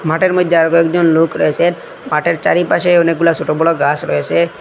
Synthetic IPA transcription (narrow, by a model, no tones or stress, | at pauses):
maʈeɾmod̪ʱːeaɾɔɡɔɛkd͡ʒɔnlokɾɔet͡ʃʰe | maʈeɾt͡ʃaɾipaʃeɔnek̚ɡulasoʈobɔlɔɡasɾɔ̰et͡ɕʰe